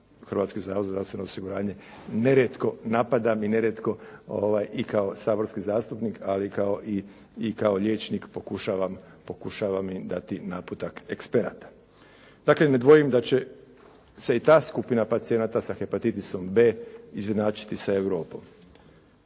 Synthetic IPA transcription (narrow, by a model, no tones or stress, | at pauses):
xɾʋaːt̪skozɾaozɾast̪ʋe̞noosiɡuɾaːɲe̞ | neɾet̪ko̞napad̪amineɾet̪ko̞o̰ʋajikao̞saːbo̞ɾskizaːst̪upnikʰalikaoʔiː | kao̞ʎe̞ːt͡ʃnikpo̞kuʃaːʋam | po̞kuʃaʋamid̪at̪inaput̪akekspeɾa̰t̪ḁ | d̪̥akle̞ne̞d̪ʋo̞jimd̪at͡ɕe̞ | se̞it̪aːskupinapat̪sie̞nat̪asaxepat̪it̪iso̞mbe̞ːizʋed̪naːt͡ʃi̥t̪isae̞ʋɾo̞ːpo̞m